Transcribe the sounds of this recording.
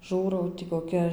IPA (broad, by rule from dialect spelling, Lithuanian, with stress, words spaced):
ˈʒuːrɐʊ tʲɪ koːˈkʲɛ